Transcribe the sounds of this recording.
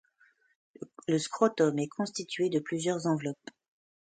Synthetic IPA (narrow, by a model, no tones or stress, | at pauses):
ləskχɔt̪ɔmɛkʰɔ̃st̪it̪ɥed̪əplyzjœʁzɑ̃vlɔp